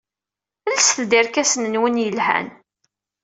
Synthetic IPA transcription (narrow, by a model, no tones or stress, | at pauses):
əlsθd̪iɾkæsənənwənjəlhæ̰n